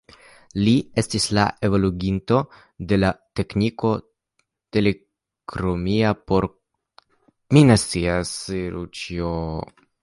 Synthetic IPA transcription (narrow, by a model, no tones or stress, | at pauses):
lie̞stisla̰ʔe̞voluɡinto̞ | de̞late̞kniko̞ | te̞le̞ | kɾomiapo̞ɾ | minestt͡siasiɾṵt͡ʃio